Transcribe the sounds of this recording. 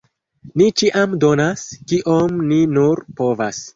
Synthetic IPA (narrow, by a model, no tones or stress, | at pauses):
nit͡ʃiʔamdo̞naskiʔo̞mninuɾpo̞vas